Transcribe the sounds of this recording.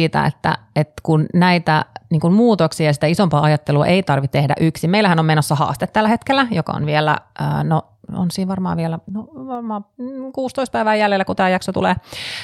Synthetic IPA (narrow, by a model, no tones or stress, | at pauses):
iːt̪æ̰ḛt̪ːæ̰et̪kunnæit̪æniːŋkummuːt̪oksiɑjɑsi̥t̪æisompɑːɑjɑt̪ːeluɑ̰ʔeit̪ɑrʋit̪t̪ehdæ̰ʔyksimeilæhænomenosːɑhɑ̰ːst̪et̪t̪ːælːæhet̪kelːæjokɑ̰o̰nʋielæ̰ə̰ːno | o̰nsiːʋʋɑrmɑ̰ːʋielænoʋɑrmɑːkuːst̪oist̪pæiʋæːjæljelːækut̪æːjɑksot̪ṵleː